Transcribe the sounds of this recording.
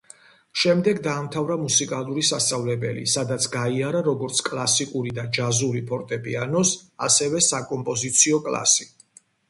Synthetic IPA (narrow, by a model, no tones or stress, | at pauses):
ʃɛmd̪ɛɡd̪aːmt̪ʰavɾamusikʼalˠuɾisast̪sʼavlɛbɛlḭsad̪at̪sʰɡaiaɾaɾɔɡɔɾt̪sʰkʼlˠasikʼuɾid̪ad͡ʒazuɾipʰɔɾt̪ʼɛpʼianɔsa̰sɛvɛsakʼɔmpʼɔzit̪sʰiɔkʼlˠa̰si̥